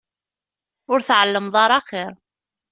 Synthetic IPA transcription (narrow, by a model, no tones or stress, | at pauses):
ʊɾθʕəlːəmðˤɑɾˤɑχɪɾ